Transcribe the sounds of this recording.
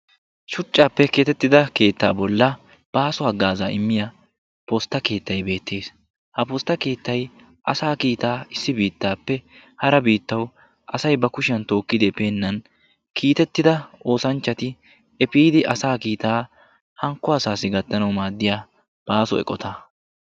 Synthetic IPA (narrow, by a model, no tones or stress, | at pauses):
ʃʊt͡ʃʼːaːpːɛke̞ːt̪ɛt̪ːɪd̪ɐke̞ːt̪ːa̰ːbɔlːɐ | b̥aːsɔɐɡːaːzaɪmːɪjɐ | post̪ːɐke̞ːt̪ːɐjbe̞ːt̪ːe̞ːs | hɐpost̪ːɐke̞ːt̪ːɐj | ʔɐsaːkiːt̪aːɪsːɪbiːt̪ːaːpːɛhɐɾɐbiːt̪ːɐw | ʔɐsɐjbɐkʊʃɪɐnt̪o̞ːkːɪd̪ɪpeːnːɐn | kʰiːt̪ɛt̪ːɪd̪ɐo̞ːsɐnt͡ʃːɐt̪ɪ | ɛpiːd̪ɪʔɐsaːkiːt̪aː | hɐŋkːʊɐsaːsɪɡɐt̪ːɐnɐwmaːd̪ːɪjaː | b̥aːsɔɛ̰kʼɔt̪ʰa